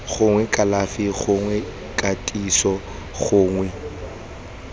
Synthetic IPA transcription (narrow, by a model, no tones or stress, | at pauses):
χʊŋwɛkʼalafiɣʊŋwɛ | kʼatʼisɔ | ɣʊːŋwɛ